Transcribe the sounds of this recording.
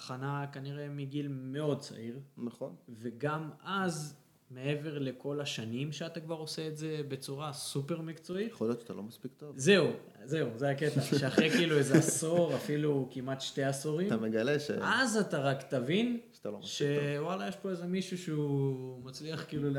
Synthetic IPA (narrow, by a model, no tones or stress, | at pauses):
aχanakaniʁe̞miɡilme̞od̚t͡sa̰ʔiʁnaχonve̞ɡamaz | me̞e̞ve̞ʁle̞ko̞laʃanimʃeatakvaʁo̞se̞ːtze̞be̞t͡suʁasupe̞ʁmikt͡so̞itχolijott͡ʃat̪alomaspik̚t̪ovze̞u | ze̞uzeaketaʃeaχʁekiiluezeaso̞ʁafilukimat̪ʃte̞asoʁimtameɡaleʃḛazataʁakt̪avinʃat̪a̰lomʃe̞walajeʃpo̞eze̞miʃuʃeumat͡sliaχkiːlul